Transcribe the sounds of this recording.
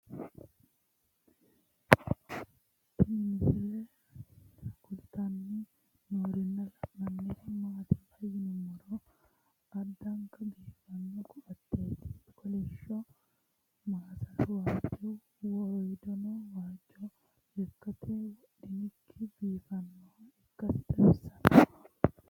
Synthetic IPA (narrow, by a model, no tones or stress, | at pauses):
t̪ɪnmɪsɪlɛ | kʊlt̪ɐnːɪ | noːɾɪnːɐlɐʔmɐnːet̪ɪmaːt̪ɪfɐjːɪnmɔɾɔ | ɐd̪ːɐŋkɐbiːfɐnːɔkʊʔɐt̪ːeːt̪ɪ̥kɔlɛʃːɔ | maːsɐswaːd͡ʒːɛw | wɔɔjd̪ɔnɔwaːd͡ʒːɔ | ɛkːɐt̪ʰɛ | d̪ɪnɪkʰːɪbiːfɐnːɔɛkːɐst̪ʼɛsɐnɐ